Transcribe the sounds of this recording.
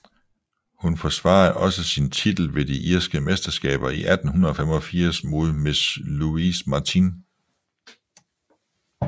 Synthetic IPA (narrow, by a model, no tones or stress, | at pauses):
hunfɒsʋɑ̰̈ːð̩ˠʔɒ̽səsint͡sʰid̥l̩ʋe̝d̥iʔiɐsɡ̥əmesd̥ɐsɡ̥ɛ̰ːb̥ɐiʔæd̥n̩ɦunɐðˠɒ̽femɒ̽fiɐ̰smo̝ð̞ˠme̝sluismɑ̈t͡sʰin